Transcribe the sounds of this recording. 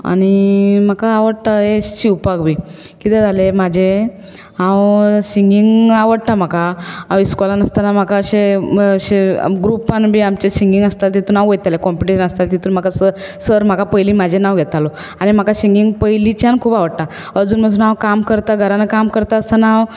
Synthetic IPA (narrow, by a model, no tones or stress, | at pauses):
a̰ɽ̃im̤akaːʋəɽt̪aeɕiwpaɡbʱiː | kit̪ed͡zʱalemad͡ʑʱe | ɦãwsiŋɡiŋɡaʋəɽt̪am̤akaɦãwiskɔlanəst̪anam̤akaəɕeəɕḛɡɾupanbʱiːamt͡ɕesiŋɡiŋɡəst̪alt̪̬it̪uːnãwɡet̪alekɔmpiʈiɕənəst̪alt̪it̪uːnm̤akasəɾ | səɾm̤akapəjliːmad͡ʑʱenawɡʱeɛt̪alɔ | aɽnim̤akasiŋɡiŋɡpəjlit͡ɕjankʰuːpaʋəɽt̪a | əd͡zuːnm̤əsʰuːnãwkamkəɾt̪aɡʱəɾanekamkəɾt̪aəst̪anãw